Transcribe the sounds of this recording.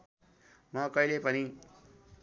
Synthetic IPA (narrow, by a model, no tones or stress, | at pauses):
mʌkʌilepʌni